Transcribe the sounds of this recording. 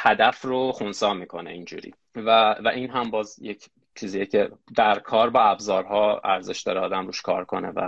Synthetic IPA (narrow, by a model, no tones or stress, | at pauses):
hæd̪æfroxonsɒːmiːkʰo̞nḛind͡ʒṵːɾḭː | vævæʔiːnɦæmbɒːzjecʰ | t͡ʃʰiːziːjecʰe̞d̪æɾkʰɒːɾbɒæbzɒːɾɦɒːæɾze̞ʃd̪ɒːɾeɒːd̪æmɾuːʃkʰɒ̰ːɾkʰo̞nḛvæ̰